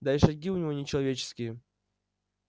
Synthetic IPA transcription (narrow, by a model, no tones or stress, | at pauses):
d̪aɪʂɐɡʲiʊnʲɪvo̞nʲɪt͡ɕɪlˠɐvʲet͡ɕɪ̥skʲɪjə